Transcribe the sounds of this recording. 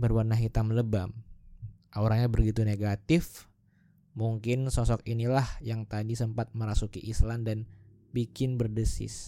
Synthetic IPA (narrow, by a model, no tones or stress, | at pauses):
bərwarnaɦit̪amləbam | ʔaoɾaŋɲabərɡit̪uneɡat̪ɪf | muŋkɪnsɔsɔkinilahjaŋt̪adisəmpat̪̚məɾasukiʔislandan | bikɪnbərdəsɪ̰s